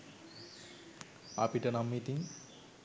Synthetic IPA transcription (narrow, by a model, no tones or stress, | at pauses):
a̰piʈɐnamːit̪iŋ